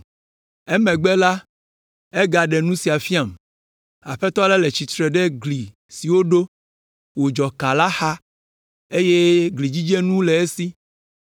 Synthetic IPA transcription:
ɛ˦mɛ̃˨ɡ͡bɛ˦la˦ | ɛ˦ɡa˨ɖɛ˨nũ˦si˨a˨fi˦a˨m | a˨ɸɛ˦t̪ɔ˦lɛ˦lɛ˨t͡ɕi˨t̪ɾɛ˨ɖɛ˦ɡli˨ | si˨wo˦ɖo˦ | wo˨d͡ʒɔ˨ka˨la˦xa˦ | e˦je˦ɡli˨d͡ʑi˦d͡ʒɛ˦nũ˦lɛ˨e˦si˦

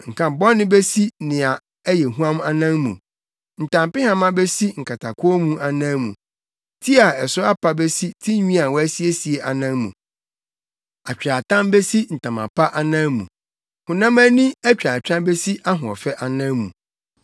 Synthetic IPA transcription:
ŋ̩˨kʰã˨bɔ̃˦nːɪ̃˦be˦si˦nɪ̃˨a˨ | ɛ˦jɛ˨ɦũ˦ã˦m˦a˦nã˦mːṵ̃˨ | n̩˨tʰã˨mpɪ˦hã˦mã˦be˦si˦ŋ̩˨kʰa˨tʰa˨kʰʊ˦ɔ˦mũ˦ʔa˨nã˦mṵ̃˨ | tʰi˦a˨ɛ˨sʊ˦a˦pʰa˦be˦si˦tʰĩ˦ɲᶣĩ˦a˨wɔ˦æ˦si˦e˦si˨e˨ʔa˨nã˦mmṵ̃˨ | a˨t͡ɕᶣɾa˨tʰã˦mbe˦si˦n̩˨tʰã˨mã̰˨pʰa˦ʔa˦nã˦mṵ̃˨ | hʊ̃˨nã˦mã˦nĩ˦æ˦t͡ɕᶣa˨t͡ɕᶣa˦be˦si˦ʔa˦ɦʊ̃˨ɔ̰˨fɛ˦ʔa˨nã˦mmṵ̃˨

